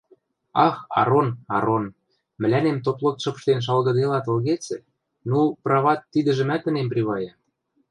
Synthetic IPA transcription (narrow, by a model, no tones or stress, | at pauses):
ɑxɑ̰ɾonɑ̰ɾon | mɘ̆lʲænemt̪oplˠok̚t̪ʃɤ̆p̆ʃt̪enʃ̬ɑlɣɤ̆d̪elɑt̪ɤ̆lɣet͡sɘ̆ | nuprɑβɑt̪ːid̪ə̆ʒə̆mæt̪ːə̆nemprʲiβɑjɑ